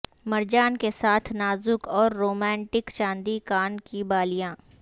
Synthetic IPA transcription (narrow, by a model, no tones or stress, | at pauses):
mɐɾd͡ʒaːnkesaːt̪ʰnaːzʊkɔːɾːoːmɛ̃ːɳʈɪkt͡ʃãːnd̪ikaːnkibaːlijãː